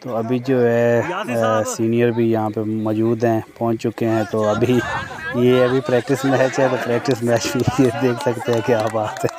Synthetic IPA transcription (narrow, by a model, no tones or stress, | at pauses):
t̪oːɐbʱid͡ʒoːɦɛ | siːnijəɾbʱijɐɦãpemɔːd͡ʒuːd̪ɦɛ̃pɔɦʊ̃ɲt͡ʃt͡ʃʊkeɦɛ̃t̪oɐbʱi | jeɐbʱipɾɛːk̚ʈɪsmɛɦɛt͡ʃɦɛt̪opɾɛːk̚ʈɪsmɛʃbied̪eːkʰsɐkt̪eɦɛ̃kjaːpaːt̪ɦɛ̃ː